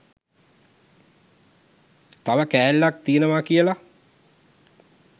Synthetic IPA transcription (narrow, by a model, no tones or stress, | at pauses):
t̪aʋəkæːlːak̚t̪iənəʋakijəla